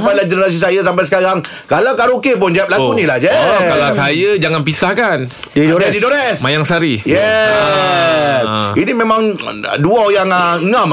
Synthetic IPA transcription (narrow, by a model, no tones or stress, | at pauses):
balad͡ʒənnas̬is̬ajas̬ampajsə̥kaɾaŋ | kalawkaɾokep̬ʊnd͡ʒaap̚lakunĩlahd͡ʒɛkalasajad͡ʒaŋanpisahkan | ɛdidoɾɛsmajaŋsaɾijɛ | inimẽmãŋduaojaŋaəŋãm